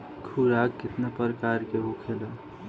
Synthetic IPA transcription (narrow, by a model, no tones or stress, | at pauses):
kʰuɾakːɪt̪napəɾəkaɾkeɦukʰela